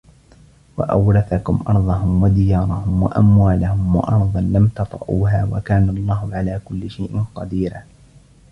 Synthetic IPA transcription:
wa̰ʔa̰wɾɑθakʊmʔɑɾˤðˤɑɦʊmwad̪ɪjɑːɾˤɑhʊmwa̰ʔamwaːlahʊmwɑ̰ʔɑɾˤðˤɑnlamt̪ɑt̪ˤɾɑʔuːɦaːwa̰kaːnalˤːɑːhʊʕalaːkʊlːɪʃajʔɪnqɑd̪iːɾaː

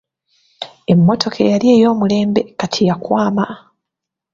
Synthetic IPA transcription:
e̞mːo̞tʰo̞kʰḛjalje̞ːjo̞ːmule̞ːmbe̞katʰijakwaːma

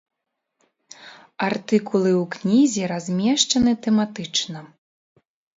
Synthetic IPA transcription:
art̪ɨkulˠɨwknʲizʲiɾazʲmʲɛʂt͡ʂɐnɨt̪ɛmat̪ɨt͡ʂnɐ

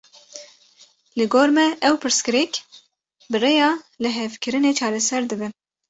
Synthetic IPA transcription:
lɨɡoːɾmɛʔɛwpʰɨɾskɨɾɛk | bɨrejɑːlɨɦɛvkɨɾɨneːt͡ʃʰɑːɾɛsɛɾd̪ɨbɨ

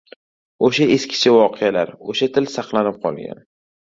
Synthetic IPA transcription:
oʃaeskʲʰɪ̥t͡ʃʰavɒqʰejalaɾoʃat̪ʰɪlsɑqlˠanɪp̚qʰɒ̰lˠɡʲa̰n

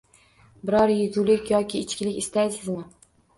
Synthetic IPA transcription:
bɪɾɒɾjɪzulɪkʲjɒkʲʰɪːt͡ʃkʲɪlɪkʲɪst̪ajsɨzmɪ

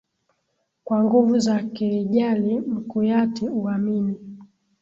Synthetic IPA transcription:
kwaŋɡuvuzakɛɾiʄalim̩kujatiuamini

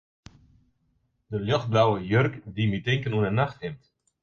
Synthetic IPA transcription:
d̥əljɔxt̚blawəjørkdimytɪŋkənuənənaxthɪmt

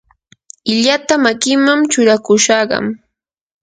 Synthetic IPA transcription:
ɪʎat̪amakɪmamt͡ʃʊɾakʊʃɑɢɑ̰m

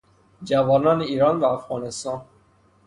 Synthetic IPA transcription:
d͡ʒævɒːnɒːneiːɾɒːnvæːfɣɑːnest̪ɑːn

